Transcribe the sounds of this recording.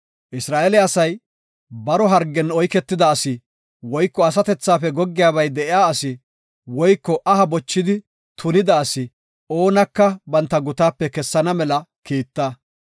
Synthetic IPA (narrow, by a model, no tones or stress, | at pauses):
ʔɪsɾaːʔelɛɐsɐj | bɐɾɔɦɐɾɡːɛnɔjkɛt̪ːɪd̪ɐːsɪ | wɔjkːɔɐs̬ɐt̪ɛt͡sːaːfɛɡɔɡːɪjaːbɐjd̪ɛʔɪjaːɐsɪ | wɔjkːɔʔɐɦɐbɔt͡ʃːɪd̪ɪ | t̪ʰʊnɪd̪ɐːsɪ | o̞ːnɐkːɐbɐnt̪ːɐɡʊt̪aːpːɛkɛsːɐnɐmɛlɐkiːt̪ːɐ